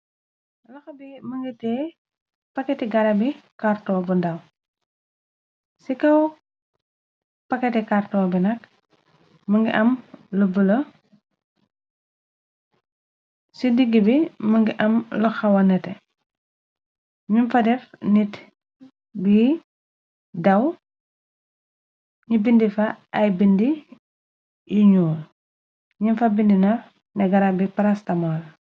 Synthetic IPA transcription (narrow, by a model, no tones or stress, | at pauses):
lɐxɐbiməŋɡitɛː | pɐkːɛtiɡɐɾɐbikartɔːbundɐw | sikɐw | pɐkːɛtɛkartɔːbinɐk | məŋɡiʔɐmləbəlɐ | sidiɡːəbiməŋɡiʔɐmlɔxɐwɐnɛtɛ | ɲunfɐdɛfnit | bi | dɐw | ɲubindifɐɐjbindi | juɲuːl | ɲunfɐbindinɔ | nɛɡɐɾabipɐɾastɐmɔl